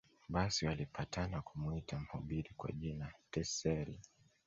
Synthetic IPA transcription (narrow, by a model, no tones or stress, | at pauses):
ɓasiwalipatanakumuitam̩huɓiɾikwa̰ʄinatɛsɛɾi